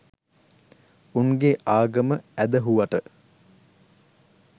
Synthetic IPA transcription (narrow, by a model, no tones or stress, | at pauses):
uŋɡeʔaːɡəməæd̪əɦuʋaʈə